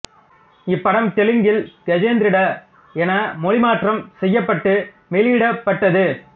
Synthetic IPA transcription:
ɪpːɐɽɐmt̪ɛlɪŋɡɪlɡɛd͡ʒeːnd̪ɾɪɽɐ | ɛnɐmɔɻɪmaːʈrɐmsɛjːɐpːɐʈːɯ | mɛliɪɽɐpːɐʈːɐðɯ

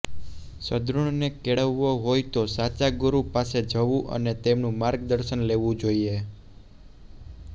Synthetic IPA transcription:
səd̪ɾuɳnekeɭəʋːoɦojt̪osat͡ʃaɡuɾupased͡ʒʱəʋũʔə̰net̪emnũmaɾɡd̪əɾʃənleʋũd͡ʒoie

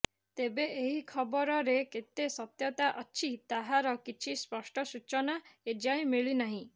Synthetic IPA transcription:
t̪ebeeɦikʰɔbɔɾɔɾeket̪esɔt̪jɔt̪aʔɔt͡ʃʰit̪aɦaɾɔkit͡ʃʰispɔsʈɔsut͡ʃɔnaed͡ʒaj̃miɭinaɦĩ

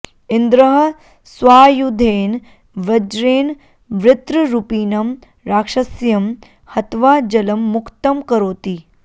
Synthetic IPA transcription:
ɪnd̪ɾɐɦɐ | sʋaːjud̪ʱeːn | ʋɾɐd͡ʒɾeːn | ʋɾɪt̪ɾɐɾupiːnɐm | ɾaːkʂɐsjɐm | hɐt̪ʋaːd͡ʒɐlɐmːʊkt̪ɐmkɐɾoːt̪iː

